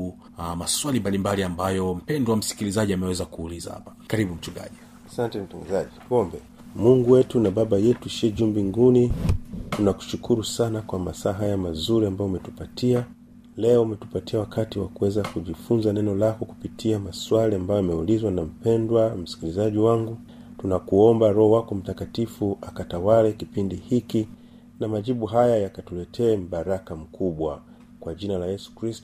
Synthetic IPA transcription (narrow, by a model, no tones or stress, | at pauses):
amaswalimbalimbaliambajɔm̩pɛndwam̩si̥kilizaʄiamɛwɛzakuːliza̰ha̰pḁkaɾiɓum̩t͡ʃuɡa̰ʄi | asantɛm̩taŋɡazaʄikɔmbɛ | muŋɡuwɛtunaɓaɓajɛtuʃiɛʄumbiŋɡunitunaku̥ʃukʰuɾusanakwamasaːɦajamazuɾiambajɔumɛtupatʰia | lɛɔumɛtu̥patiawakʰatiwa̰kuwɛzakuʄifunzanɛnɔlakɔku̥pitʰiamaswaliambajɔamɛulizwanam̩pɛndwam̩si̥kilizaʄiwaŋɡu | tunakuɔmbaɾɔhɔwakɔm̩takatifuʔakatawalɛkipindihiki | namaʄiɓuɦajajakatulɛtʰɛːm̩ɓaɾakam̩kʰuɓwa | kwaʄinalajɛsu̥kɾistɔ